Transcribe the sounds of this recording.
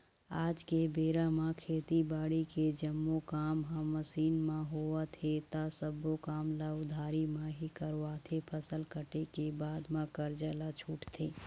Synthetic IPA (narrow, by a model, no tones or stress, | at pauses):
aːd͡ʒkebeːɾamãkʰeːt̪ibaːɽiked͡ʒəmːokaːmɦãməsiːnmãɦoːat̪ʰet̪asəbokaːmlaʊd̪ʱaːɾimãɦikəɾʋat̪ʰepʰəsəlkəʈekebaːd̪mãkəɾd͡ʒəlat͡ʃʰuːʈt̪ʰeː